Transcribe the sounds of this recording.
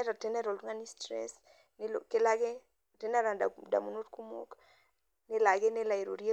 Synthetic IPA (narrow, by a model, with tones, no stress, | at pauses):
ɛɾɔ˨tɪ˦nɛ˦ɾɔ˨lu˦ŋa˦ni˦stɾɛ̰s | nɪ˦lo̰kɪ˦la˦ɡɪ˦ | tɪ˦nɛ˦ɾa˨dada̰˨mu˦no˦tku˦mo̰˦k | nɪ˦la˨ɡɪ˦nɪ˦la˨i˨ɾo˨ɾje˦